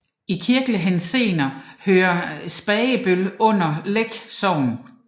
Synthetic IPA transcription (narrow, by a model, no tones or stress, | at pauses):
ikʰiɐɡ̥ləɦense̝̰ːnɐhøːɐsb̥ɛːəb̥ølɔ̽n̰ɐleɡ̥sɒʊ̰n̩